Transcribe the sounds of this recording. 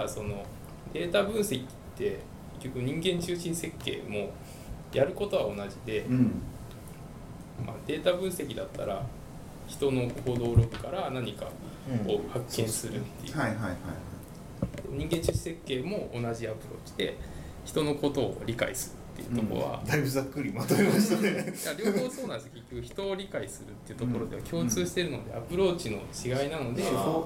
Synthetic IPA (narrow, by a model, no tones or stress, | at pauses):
so̞no̞ | d̪e̞ːt̪abɯ̟̃ɰ̃se̞kʲi̥t̪ʰːe̞ | kke̞̥kʲːo̞kɯ̟ɲ̟ĩŋɡẽ̞ɲt͡ɕɨːɕĩɰ̃se̞kːe̞̰ːmo̞ | jʔaɾɯ̟ko̞t̪o̞βao̞naʑid̪e̞ | mad̪e̞ːt̪abɯ̟̃ɰ̃se̞kʲid̪at̪ːa̰ɾa | çi̥t̪o̞no̞kkod̪o̞ːɾo̞kɯ̟̥kaɾanaɲ̟ika̰ | ohakːẽ̞ɰ̃sɨɾɯ̟t̪ːejɯiahaia | ɲ̟ĩŋɡẽ̞ɲt͡ɕiɕi̥se̞kːe̞ːmo̞ːnaʑiapɯ̟ɾo̞̰ːt͡ɕi̥d̪e̞̰ | çi̥t̪o̞no̞ko̞t̪o̞ːɾʲika̰ḭsɨɾɯ̰t̪ːe̞̰jɯ̰t̪o̞ko̰βa̰d̪aibɯ̟zakːɯɾʲimat̪omemaɕt̪nejaɾʲoːoːso̞ːnãnd̪esjokekʲːo̞kɯ̟çi̥t̪o̞ːɾʲikaisɨɾɯ̟t̪ːe̞iɯ̟t̪o̞ko̞ɾo̞d̪e̞akʲo̞ːt͡sɨːɕi̥t̪e̞ɾɯ̟no̞d̪e̞̰apɯ̟ɾo̞ːt͡ɕino̞̰t͡ɕiɡainano̞d̪e̞